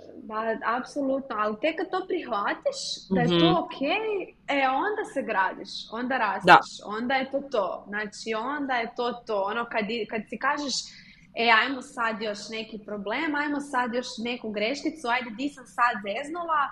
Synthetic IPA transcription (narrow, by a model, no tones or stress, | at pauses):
b̪aapso̞lˠut̪noalit̪ekːad̪̚t̪o̞ːpɾixlat̪iʃd̪ajet̪ookʰej | eo̞nd̪aseɡɾaːd̪ḭʃo̞̰nd̪aɾasd̪iʃo̰nd̪aje̞t̪o̞ːt̪oːznaːt͡ʃio̞nd̪aje̞t̪o̞ːt̪oːonokad̪ikad̪sikaːʒeʃ | eajmosad̪jo̞ʃne̞kipɾoble̞ːmajmosad̪jo̞ʃne̞kuɡɾeʃkit̪suajd̪ed̪isamsad̪zeznula